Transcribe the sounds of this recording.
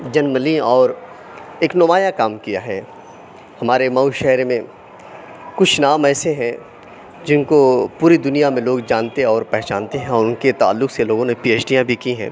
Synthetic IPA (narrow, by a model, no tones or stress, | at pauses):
d͡ʒɐnməlĩɔːɾ | eːknʊmaːjakaːmkijaɦɛː | hɐmaːɾemɐuʃɛɦɾmẽ | kʊt͡ʃʰnaːmɛːseɦɛ̃ | d͡ʒɪnkopuːɾid̪ʊnijamẽloːɡd͡ʒaːnt̪eɔːɾpɛɦt͡ʃãːnt̪eɦɛ̃ɔːɾʊnket̪a̰ːlːʊkseloːɡõnepiːeːt͡ʃɖijãbʱikiɦɛ̰̃ː